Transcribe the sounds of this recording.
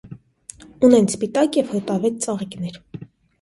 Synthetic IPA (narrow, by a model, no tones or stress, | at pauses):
unɛnspit̪ɑkjɛvhət̪ɑvɛt͡st͡sɑʁiknɛɾ